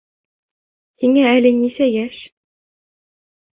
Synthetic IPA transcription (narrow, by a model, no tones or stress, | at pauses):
h̪iŋæælɘnisæjæʃ